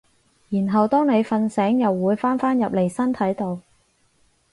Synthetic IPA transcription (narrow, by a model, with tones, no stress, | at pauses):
jiː˨˩nɦɐ˨wt̪ɔː˥ŋne˨˧jfɐ˧nsɛː˨˥ŋjɐ˨wːuː˨˧jfaː˥nfaː˥njɐ˨p̚le˨˩jsɐ˥nt̪ʰɐ˨˥jt̪o˨˧w